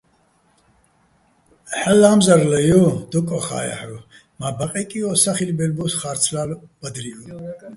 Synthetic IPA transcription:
ħɛlːamzaɾlɛjɔd̪ɔkʼɔχa̰ja̰ħɾu | mabaqʼɛkʼiɔsaχilbɛlbusχaɾt͡sʰlalb̥əd̪ɾiɔ

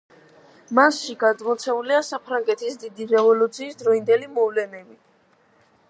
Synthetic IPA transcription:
masʃiɡad̪mɔt̪sʰɛuliasapʰɾaŋɡɛt̪ʰisd̪id̪iɾɛvɔlut̪sʰiːsd̪ɾɔind̪ɛlimɔvlɛnɛbi

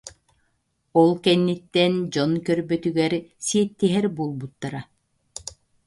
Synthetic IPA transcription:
ɔlˠkɛnːit̪ːɛnd͡ʑɔnkœɾbœt̪yɡɛɾsiɛt̪ːiɦɛɾbuːlˠbut̪ːaɾa

